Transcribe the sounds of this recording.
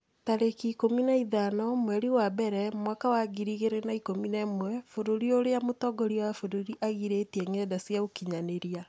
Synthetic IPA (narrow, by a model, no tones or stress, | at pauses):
taɾekikominaiðanɔmwɛɾiwabɛɾɛmwakawaɡiɾiɣeɾenaikominɛmwɛfoɾoɾioɾejamotɔɡɔɾiwafoɾoɾiʔaɣiɾetiɛŋɛdasjaokiɲaneɾia